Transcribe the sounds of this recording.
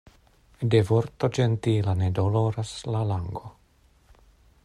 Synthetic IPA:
devoɾt̪o̞d͡ʒent̪ilanedolo̞ɾaslalaŋɡo

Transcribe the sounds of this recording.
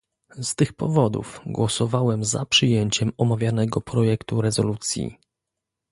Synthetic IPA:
st̪ɘxpɔvɔd̪ṵfɡwɔsɔvawɛmza̰pʂɘjeɲt͡ɕɛmɔmavʲjanɛɡɔpɾɔjɛkt̪uɾɛzɔlut̪sʲjḭ

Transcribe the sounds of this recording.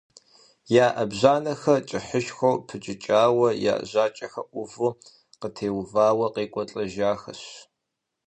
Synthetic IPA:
jaːʔɐbʑaːnɐxɐt͡ʃʼɪħəʃxʷowpʰɨt͡ʃʼɪt͡ʃʼaːwɐja̰ːʔʑaːt͡ʃʼɐxɐ̰ʔʷʊvʊ | qətʰeːwvaːwɐqeːkʷʼɔt͡ɬʼɐʒaːxɐ̰ɕ

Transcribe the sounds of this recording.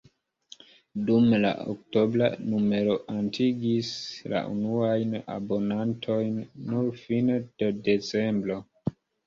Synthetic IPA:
dumla̰o̰kto̞bla̰nume̞ɾo̞ʔantʰiɡisla̰ʔṵnuajna̰bo̞nantʰo̞jnːuɾfind̥ede̞t͡se̞mbɾo̞

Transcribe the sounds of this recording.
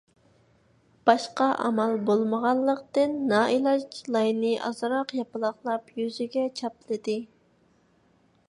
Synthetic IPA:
b̥ɑʃqɑʔɑ̰mɑlbolˠməʁɑllˠːəqt̪ɨnːɑʔilˠɑt͡ʃlˠɑjnɨʔɑ̰zɨɾɑqjɑpɨlˠɑχlˠɑpjyzyɡʲɛt͡ʃʰɑplˠɨd̪ɨ

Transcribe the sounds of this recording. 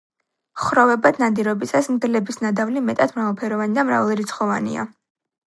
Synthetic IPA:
χɾɔvɛbad̪ʰnad̪iɾɔbisasmd̪lɛbisnad̪avlimɛt̪ʼat̪ʰmɾavalˠpʰɛɾɔvanid̪amɾa̰valˠɾit̪sʰχɔvanḭa̰

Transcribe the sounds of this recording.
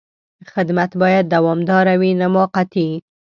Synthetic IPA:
xɪd̪mat̪bɑjad̪ːawɑmd̪ɑɾawinamɑqat̪i

